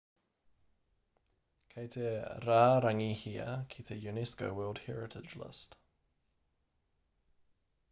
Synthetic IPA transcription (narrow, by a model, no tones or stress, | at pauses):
kʰeɪt̪ʰeɾaːɾaŋihiə̰kʰit̪ʰəjunɛskoʊwɜːlˠd̥hɛɹɪtʰɪd͡ʒlə̰st